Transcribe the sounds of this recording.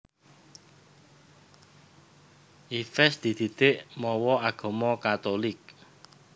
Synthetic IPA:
ʔifɛsd̪̥i̤d̪̥i̤d̪̥eʔmɔwɔaɡ̥ɔ̤mɔkat̪olɪk̚

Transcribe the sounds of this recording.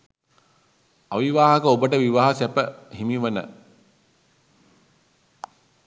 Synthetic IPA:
aʋiʋaːɦəkəobəʈəʋiʋaːɦasæpəhimiʋənə̰

